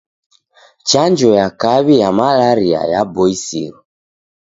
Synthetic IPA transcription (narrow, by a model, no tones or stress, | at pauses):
t͡ʃand͡ʒɔjakaβijamalaɾia̰jabɔisḭɾɔ